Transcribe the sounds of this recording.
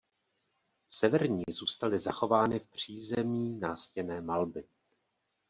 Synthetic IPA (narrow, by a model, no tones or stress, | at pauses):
fsɛvɛɾɲiːzuːst̪alɪzaxo̞vaːnɪfpr̝̥iːzɛmiːnaːscɛnɛːmalbɪ